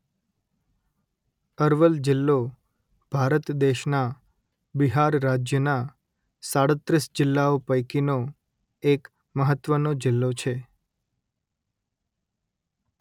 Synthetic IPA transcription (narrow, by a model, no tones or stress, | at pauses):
əɾʋəld͡ʒɪlːo | b̥ʱaɾət̪d̪eʃna | biɦaɾːad͡ʒjəna | saɽət̪ɾisd͡ʒɪlːaopəjkino | ek | məɦət̪ːʋənod͡ʒɪlːot͡ʃʰe